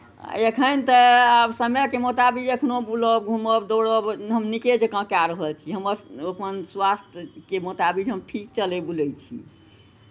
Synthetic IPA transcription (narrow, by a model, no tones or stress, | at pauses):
ekʰənt̪əabsəmjəkemot̪abid͡ʒəkʰnobuləɡʱuməbd̪oɽəbɦəmniked͡ʒəkə̃kaɾəɦəlt͡ʃʰiɦəməɾopənswast̪ʰkemot̪abid͡ʒɦəmʈʰik̚t͡ʃəlebulɛjt͡ʃʰḭ